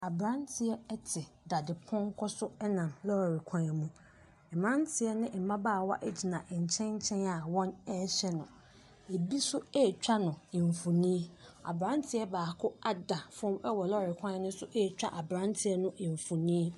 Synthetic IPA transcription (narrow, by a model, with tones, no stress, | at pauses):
a˨bɾã˦ntʰɪ˨ɛ˦ɛ˦tʰɪ˨da˨dɪ˨pʰɔ̃˦ŋ˦kʰɔ˦sʊ˦ɛ˦nã˨mlɔ˦˨ɾɪ˨kʷʰã˦ɛ˨mũ˦ | ɛ˨mã˦ntʰɪ˨ɛ˦nɪ̃˦m̩˨mã˦baː˦˨wa̰˦ʔe˦d͡ʑi˨nã˨ʔɲ̩˨t͡ɕʰɛ̃˦ɲ˦t͡ɕʰɛ̃˦na˨wɔ̃˦nɛ˦ɕɛ˦nʊ̰̃˨ | e˨bi˦sʊ˦e˦˨t͡ɕᶣa˦nʊ̃˨ɪ˨ɱ˨fũ˨nĩː˦a̰˨bɾã˦n˦tʰɪ˦ɛ˦baː˨kʰʊ˦a˦da˨fɔ̃˦mɛ˦wɔ˨lɔ˦˨ɪ˨kʷʰã˦ɛ˦nʊ̃˦sʊ˦ʔe˦˨t͡ɕᶣa̰˦ʔa˨bɾã˦n˦tʰɪ˨ɛ˦nʊ̃˦ʔɪ˨ɱ˨fũ˨nĩ˦